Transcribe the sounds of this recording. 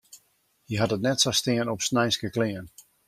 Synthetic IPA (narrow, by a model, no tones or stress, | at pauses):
jəɦatətnɛtsɔstɪənɔpsnɛjnskəklɪən